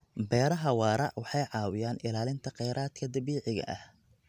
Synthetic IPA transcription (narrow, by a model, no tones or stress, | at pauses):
bɛːɾɐɦɐwɑːɾɑ̰ʕwɑħɑjʕɑːwɪjaːnɪlaːlɪnt̪ʰɐqɛjɾʔaːd̪kʰɐd̪ɐβiːʕɪɣɐ̰ʔɐ̰h